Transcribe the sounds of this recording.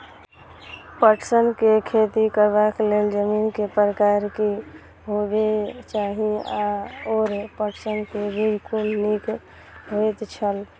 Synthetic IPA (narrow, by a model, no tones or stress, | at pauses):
pəʈsənkekʰet̪ikəɾbakleld͡ʒəminkepɾəkaɾki | ɦobet͡ʃaɦiaoɾpəʈsənkebʱid͡ʒkunnik | ɦojt̪t͡ʃʰəl